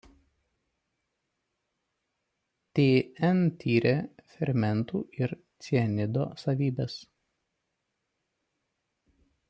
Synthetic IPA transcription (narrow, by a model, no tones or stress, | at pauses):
t̪ʲeːɛnt̪ʲʰiːɾʲefʲɛɾʲmʲɛnt̪uːɪɾt̪sʲiɛnʲɪd̪o̰ːsɐʋʲiːbʲɛs